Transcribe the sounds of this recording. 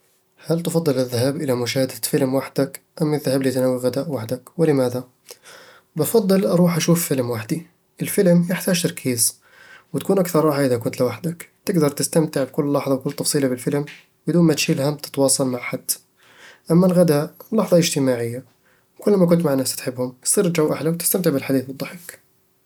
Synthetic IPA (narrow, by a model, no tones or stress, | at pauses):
halt̪ɪfɑd̪ˤːɨlɪðːaɦaːbʔɪlamʊʃ̬aːhad̪afɪlmwaħd̪ak | ʔamːɪðːahaːbliːt̪nawːiɣad̪aːʔwaħd̪akwɪlɪmaːða | bɪfɑd̪ˤːɨlʔɑɾˤuːħʔaʃuːffɪlmwaħd̪i | ʔɪlfɪlmjɪħt̪aːʒt̪ɑɾˤkʰiːz | wɪt̪akuːnʔakθɑɾˤɾˤɑːħaʔɪðakʊnt̪lɪwaħd̪akt̪ɪɡd̪ɑɾˤt̪ɪst̪amt̪ɪʕbɪkʊlːlːɑħðˤɑwkʊlːt̪ːˤɑfsˤiːlabɪlfɪlm | bɪd̪uːnmat̪ʃiːlɦamt̪ɪ̥t̪wɑːsˤɑlmaʕħad̪̥ː | ʔamːalɣad̪aːʔlːɑħðˤɑʔɪd͡ʒt̪ɪmaːʕɪjːa | wkʊlːmak̬ʊnt̪maʕanːast̪ħɪbːhʊmsˤiːɾd͡ʒawːʔaħlawt̪ɪ̥st̪amt̪ɪʕbɪlħad̪iːθwɨd̪ˤːɑħɪk